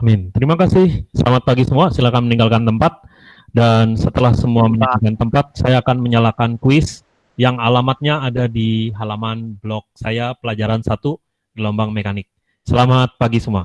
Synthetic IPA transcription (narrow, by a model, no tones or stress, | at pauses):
amɪnt̪əɾimakasɪhsə̰lʔa̰mat̪̚paɡisəmuasilakanməniŋɡalkant̪əmpat̪̚ | dansət̪əlahsəmuamənaŋakant̪əmpat̪̚sajaːkanməɲalakankwɪs | jaŋalamat̪̚ɲaːdadiɦalamanblɔk̚sajapəlad͡ʒaɾansat̪u | dilɔmbaŋmekanɪk̚ | səlamat̪̚paɡisəmua